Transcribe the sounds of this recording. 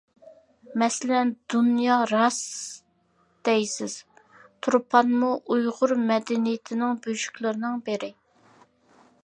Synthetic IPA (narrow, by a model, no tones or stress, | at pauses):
mɛsɪlɛnd̪unjɑɾɑs | d̪̥ɛjsɪz̥ | t̪ʰuɾpʰɑnmuʔujʁʊɾmɛd̪ɛnijɪt̪ʰɪnɪŋbyd͡ʒy̥kʲlˠɨɾɪnɨŋbɪɾɪ